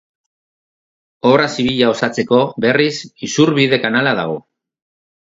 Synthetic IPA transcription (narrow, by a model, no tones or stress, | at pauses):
o̞rasiβiʎao̞sat͡se̞ko̞be̞risisuɾβiðe̞kanalað̞a̰ɣ̞o̞